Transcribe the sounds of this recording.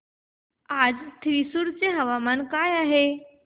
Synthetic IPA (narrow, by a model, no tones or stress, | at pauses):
ad͡zt̪ʰʋisuɽt͡seɦəʋamankajaɦe